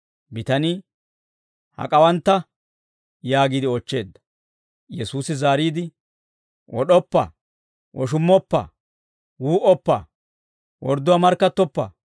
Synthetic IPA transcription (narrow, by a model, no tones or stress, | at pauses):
bɪt̪ɐnɪ | hɐ̰kʼɐwɐnt̪ːɐ | jaːɡiːd̪ɪɔt͡ʃːe̞ːd̪ːɐ̥ | jɛsuːsɪzaːɾiːd̪ɪ | wʔɔ̰ɗɔpːɐ̰ | ʔɔʃ̬ʊmːɔpːɐ̰ | wuːʔɔpːɐ̰ | wɔɾd̪ːɔwamɐɾkːɐt̪ːɔpːɐ̰